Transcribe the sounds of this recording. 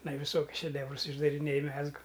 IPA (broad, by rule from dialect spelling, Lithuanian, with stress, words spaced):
ɪˈnɐɪ ʋʲɪˈsoːkʲʊs ʃʲɛˈdʲæːwrʊs ɪʒdɐrʲɪˈnʲeːj ˈmʲæːzɡʊ